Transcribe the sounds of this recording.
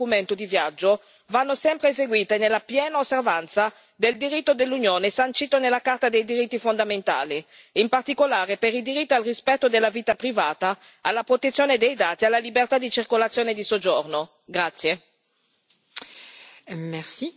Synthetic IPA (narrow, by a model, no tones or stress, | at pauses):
ument̪od̪ivjad͡ʒːo | vanːosɛmpɾeːzeɡwiːt̪enelːapjɛːnaosːervant̪sa | d̪eld̪iɾit̪ːod̪elːunjoːnesant͡ʃiːt̪onelːakart̪ad̪ejd̪iɾit̪ːifond̪ament̪a̰ːli | impart̪ikolaːɾepeɾid̪iɾit̪ːoalrispɛt̪ːod̪elːaviːt̪apɾivaːt̪aː | lːapɾot̪et̪sːjoːned̪ejd̪aːt̪ialːalibert̪ad̪it͡ʃirkolat̪sːjoːned̪isod͡ʒorno | ɡɾat̪sːje | mɛsi